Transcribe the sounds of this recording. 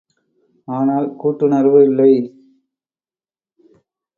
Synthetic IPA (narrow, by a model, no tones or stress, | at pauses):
aːnaːlkuːʈːɯnɐɾʋɐɪlːɐɪ